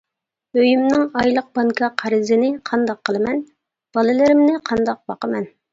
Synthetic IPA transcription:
øjymnɪŋɑjlˠəq̚bɑŋkʰɑqʰæɾɪzɪnɪqʰɑnd̪ɑqʰːəlˠɨmɛn | b̥ɑlˠɨlɪɾɪmnɪqʰɑnd̪ɑq̚bɑqəmɛn

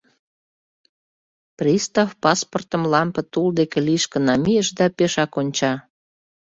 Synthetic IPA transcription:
prʲist̪ɑfpɑsport̪əmlɑmpə̆t̪uld̪ekeliʃkə̆nɑmijəʃd̪ɑpeʃɑkonʲt͡ɕɑ

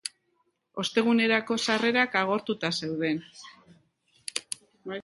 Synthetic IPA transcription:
o̞st̪e̞ɣ̞une̞ɾako̞sare̞ɾakaɣ̞o̞ɾt̪ut̪ase̞wðe̞n

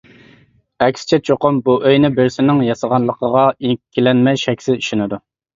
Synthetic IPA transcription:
ɛkʲsɪ̥t͡ʃʰɛt͡ʃʰoqʊmbuʔøjnɪbɪɾsɪnɪŋjɑsəʁɑnlˠəqʰəʁɑikʲʰːilɛnmɛjʃɛkʲsɪziʃɪnɪd̪u

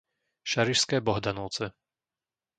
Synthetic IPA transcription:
ʃaɾiʃskɛːbɔɦd̪anɔʊt͡sɛ

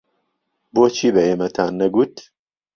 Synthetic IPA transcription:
boːt͡ʃʰiːbɐeːmɐt̪ʰaːnːɐɡut̪

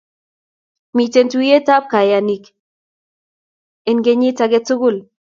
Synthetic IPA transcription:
mitentuietap̚kajanik | enɡeɲet͡saɡet͡suɡul

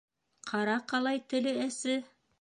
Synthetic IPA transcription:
qʰɑɾɑqɑlˠɑjt̪ɘ̆lɘæsɘ

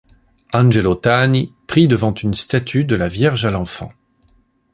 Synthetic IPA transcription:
ɑ̃nʒɛlot̪anipχid̪əvɑ̃t̪ynst̪at̪ʰyd̪əlavjɛʁʒalɑ̃fɑ̰̃

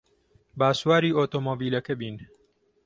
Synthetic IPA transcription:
baːsuwaːɾiːʔoːt̪oːmoːbiːlɐkɐbiːn

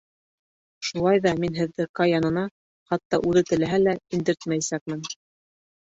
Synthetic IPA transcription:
ʃulˠɑjðɑminɦɘ̆ðːɘkɑjɑnɤ̆nɑ | χɑt̪ːɑʔʉðɘt̪ɘ̆læɦælæind̪ɘ̆ɾt̪mæjsæk̚mɘn

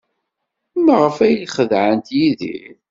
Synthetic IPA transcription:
mʁəfæjliχəðʕənt̪jiðḭ

